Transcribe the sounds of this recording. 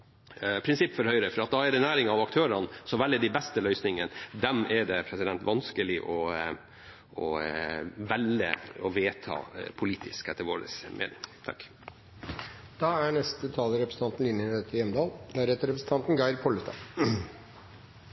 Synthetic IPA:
pʰɾɪnsɪpːfɔɾhœʏɾəfɔɾɑt̪̚d̪ɑæɖɛnæːɾɪŋɑʋɑkt̪ʰøːɾɑnsɔʋælːəd̪ɪbɛst̪əlœʏsnɪŋənd̪ɛmʔɛɖɛpʰɾɛsɪd̪ɛnt̪ʋɑnskəlɪʔɔ | ʔɔ̰ | ʋɛlə̰ɔʋeːt̪ʰɑ̰ːpʰʊliːt̪ʰɪskɛt̪ːəʋoːɖə̰smʔḛːnɪ̰ŋt̪ʰɑ̰kː | d̪̥ɑːæɳɛst̪ət̪ʰɑːləɾɛpɾəsət̪ɑnt̪n̩lɪnjəɛt̪ʰɪjɛmd̪ɑːld̪æɾheːt̪əɾɛpɾəsn̩t̪ɑnt̪n̩ɡɑɪɾpʰɔlət̪ʰɑ̰

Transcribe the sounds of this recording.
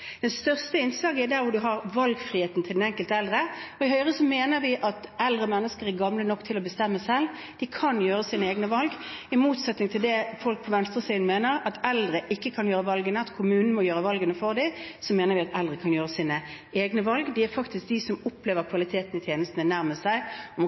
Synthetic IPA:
d̪̥ɛnst̪œʁst̪əɪnsɑːɡɪd̪æɾʋʊd̪ʉɦɑʁʋɑlɡfʁiːheːt̪n̩t̪ʰɪld̪ɛnɛŋkəlt̪əɛld̪ʁəɔɪhœʏʁəsɔmeːnəʁʋɪʔɑt̪ɛld̪ʁəmɛnːəskəʁɛɡɑmlənɔkːt̪ʰɪlɔbəst̪ɛmːəsɛl | d̪̥ɪkʰɑnjøːʁəsiːnəeːɡnəʋɑlɡɪmuːt̪sɛt̪nɪŋt̪ʰɪld̪ɛfɔlk̚pʰɔʋɛnst̪ʁəsiːn̩meːnəʁɑt̪ɛld̪ʁəʔɪkːəkʰɑnjøːɾəʋɑlɡənəɑt̪kʰʊmʉːnn̩mɔjøːɾəʋɑlɡənəfɔʁd̪ɪsɔmeːnəɾʋɪɑt̪ɛld̪ʁəkʰɑnjøːʁəsiːnə | eːɡnəʋɑlɡd̪ɪæɾfɑkt̪ɪsk̚d̪ɪsɔmʊpʰleːʋəɾkʰʋɑlɪt̪ʰeːt̪n̩ɪt̪ʰjeːnəst̪ənənæʁməstæɪɔm

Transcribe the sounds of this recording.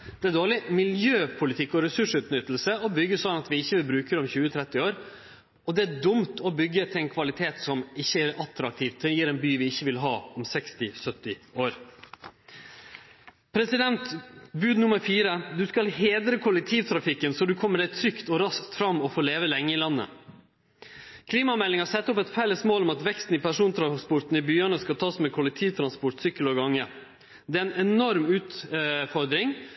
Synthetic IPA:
d̪̥ɛæd̪oːɭɪmɪljøːpʰʊlɪt̪ʰɪkːɔɾɛsʉʂʉːt̪nʏt̪ːlsəɔbʏɡːəsɔd̪ɑnɑt̪ʋɪɪçːəʋɪlbɾʉːkəɾɔmçʉːət̪ʰɾɛt̪ːɪoːɾ | ɔd̪ɛæd̪ʊmt̪ʰɔbʏɡːət̪ʰɪlɛnkʰʋɑlɪt̪ʰeːt̪sɔmɪçːəæɾɑt̪ɾɑk̚t̪ʰiːʋt̪ʰːɪjiːɾɛnbyːʋɪɪçːəʋɪlɦɑːɔmsɛkst̪ɪsœt̪ːɪoːɾ | pʰɾɛsɪd̪ɛnt̪bʉːd̪nʊməɾfiːɾəd̪ʉskɑlheːd̪ɾəkʰʊlɛk̚t̪ʰiːʋt̪ʰɾɑfɪkːənsɔd̪ʉkʰɔmːəɖæɪt̪ʰɾʏkt̪ɔɾɑskt̪fɾɑmːɔfoːleːʋəlɛŋːəɪlɑnːə̰ | kʰliːmɑmɛlːɪŋɑsɛt̪ːɔpɛt̪fɛlːəsmoːlɔmɑt̪ʋɛkst̪n̩ɪpʰæʂuːnt̪ʰɾɑspʊɾʈ̪n̩ɪbyːəɳəskɑt̪ʰɑːsmɛːkʰʊlɛk̚t̪ʰiːʋt̪ʰɾɑnspʊʈsʏkːəlɔɡɑŋːə | d̪ɛːɛnɛnɔɾmʉːt̪fɔɾd̪ɾɪŋ

